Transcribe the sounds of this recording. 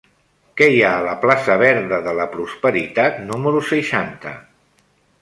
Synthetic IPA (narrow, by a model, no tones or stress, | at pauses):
kɛjaələplasəβ̞ɛɾðəðələpɾuspəɾit̪at̪numəɾusəʃant̪ə̰